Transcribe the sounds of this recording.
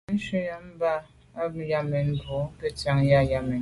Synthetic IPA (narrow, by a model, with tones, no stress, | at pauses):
n̩˦ʃi˦ja˦m̩˦ba˦ | a˦bja˦mɛ˨nbo˨˦kə˦tja˦˨ŋja˦ja˦mɛ˨